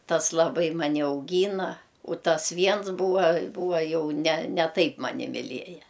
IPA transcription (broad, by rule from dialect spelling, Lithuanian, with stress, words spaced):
ˈtɐs lˠɐˈbɐɪ mɐˈnʲɪ ɐʊˈɡʲiːnɐ ʊ ˈtɐs ˈʋʲiɛns ˈbuːʋɐ ˈbuːʋɐ ˈjɛʊ nʲɛ nʲɛ ˈtɐɪp ˈmɑːnʲɪ mʲɪˈlʲiɛjɛ